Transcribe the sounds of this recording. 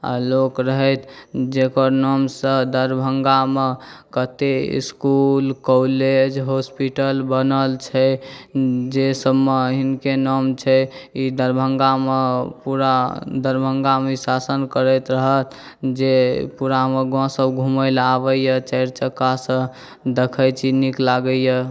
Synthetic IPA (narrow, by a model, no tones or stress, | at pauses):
a̰lokɾəɦət̪ʰd͡ʒekəɾnɔmsə̃d̪əɾbʱəŋɡamekət̪eḭskulkɔled͡ʒɦospiʈəlbənəlt͡ʃʰɛ | d͡ʒesəbmeɦinkenəmt͡ʃʰɛid̪əɾbʱəŋɡamepuɾad̪əɾbʱəŋɡamesasənkəɾət̪ɾəɦət̪ | d͡ʒepuɾameɡɔ̃səbɡʱuməɪlabəjət͡ʃəɾt͡ʃəkːasə̃ | d̪ekʰəjt͡ʃʰiniklaɡəjə